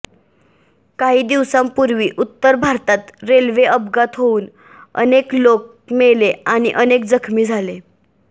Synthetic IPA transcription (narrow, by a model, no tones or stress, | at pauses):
kaɦiːd̪iʋsãmpuɾʋiːʔut̪ːəɾbʱaɾt̪at̪ɾelʋeəbɡat̪ɦouːn | ə̰neklok̚ | meleañiʔənek̚d͡zəkʰmiːd͡zʱale